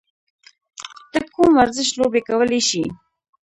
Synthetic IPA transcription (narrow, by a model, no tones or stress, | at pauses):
t̪əkumwaɾzɪʃlobekawəleʃi